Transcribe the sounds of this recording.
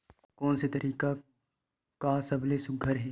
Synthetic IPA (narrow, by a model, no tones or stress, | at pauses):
kɔːnset̪ɐɾʔiːka | kasɐblesʊɡʱəɾɦɛː